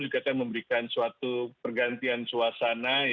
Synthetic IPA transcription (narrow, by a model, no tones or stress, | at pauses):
d͡ʒuɡakanməmbəɾikansuat̪upərɡant̪iansuasana